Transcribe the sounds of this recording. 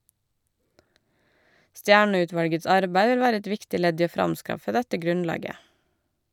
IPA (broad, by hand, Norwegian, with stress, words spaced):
ˈstjæːɳœˌʉːˌtʋɑlɡəs ˈɑɾbæɪ ˈʋɪl ˈʋæːɾə ˈɛt ˈʋɪktɪ ˈlɛd ˈiː ˈoː ˈfɾɑmˌskɑfə ˈdɛtə ˈɡɾʉnˌlɑːɡə